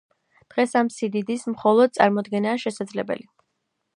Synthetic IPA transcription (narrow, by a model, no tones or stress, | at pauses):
d̪̥ʁɛsamsid̪id̪ismχɔlˠɔd̪̚t̪sʼa̰ɾmɔd̪ɡɛnaːʃɛsad̪zlɛbɛ̰li